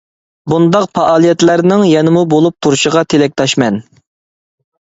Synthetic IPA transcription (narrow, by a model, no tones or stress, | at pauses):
bund̪ɑqpɑʔɑːlˠijɛt̪læɾnɪŋjɛnɪmubolˠup̚t̪ʰuɾʃəʁɑt̪ʰelɛk̚ʲt̪ʰɑʃmɛn